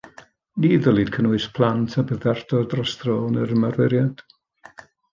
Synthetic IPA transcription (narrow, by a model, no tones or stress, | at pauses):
niːðəlˠid̥kʰənɔɨspʰl̥ˠantʰabəðɛrdɔdrɔstrɔːnəɾəmarvɛɾjad̥